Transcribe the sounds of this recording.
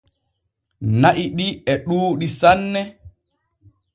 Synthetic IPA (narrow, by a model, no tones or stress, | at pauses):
naʔiɗiɛɗuːɗisanːɛ